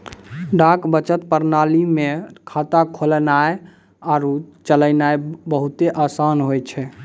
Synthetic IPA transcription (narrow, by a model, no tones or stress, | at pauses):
ɖakbət͡ʃət̪pəɾnalimekʰat̪akʰolnae | aɾut͡ʃələnaebəɦut̪eʔasanɦojt͡ʃʰɛ